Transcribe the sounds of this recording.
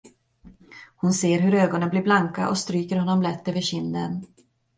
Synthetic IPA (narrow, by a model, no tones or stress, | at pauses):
hʊnseːɾɦɵɾøːɡɔnənblɪːɾblaŋka̰ʔɔst̪ɾyːkəɾhɔnːɔmlɛt̪ːøːvəɕɪnd̪ən